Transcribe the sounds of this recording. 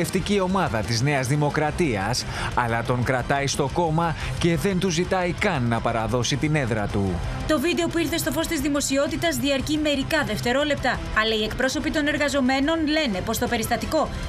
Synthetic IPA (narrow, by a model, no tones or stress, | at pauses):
eft̪icio̞mɐðɐt̪izne̞ɐzðimo̞kɾɐt̪iɐs | ɐlɐt̪o̞ŋkɾɐt̪ɐjst̪o̞ko̞mɐ | ce̞ðe̞nt̪uzit̪ɐikɐnːɐpɐɾɐðo̞sit̪ine̞ðɾɐt̪u | t̪o̞vid̪e̞o̞puiɾθe̞st̪o̞fo̞st̪izðimo̞sio̞t̪it̪ɐzðiɐɾcime̞ɾikɐðe̞ft̪e̞ɾo̞le̞p̚t̪ɐ | ɐlɐie̞kpɾo̞so̞pit̪o̞ne̞ɾɣɐzo̞me̞no̞nle̞ne̞po̞st̪o̞pe̞ɾist̪ɐt̪iko̞